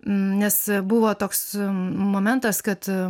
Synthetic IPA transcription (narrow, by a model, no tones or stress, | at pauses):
nʲɛsbʊʋoːt̪oːksmoːmʲɛnt̪ɐskɐt̪